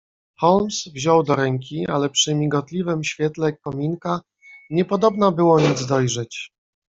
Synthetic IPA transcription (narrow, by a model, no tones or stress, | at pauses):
xɔlmsvʑɔwd̪ɔɾɛŋkʲialɛpʂɘmʲiɡɔt̪lʲivɘmɕfʲjɛt̪lɛkɔmʲiŋka | ɲɛpɔd̪ɔbnabɘwɔɲid̪zd̪ɔjʐɛt͡ɕ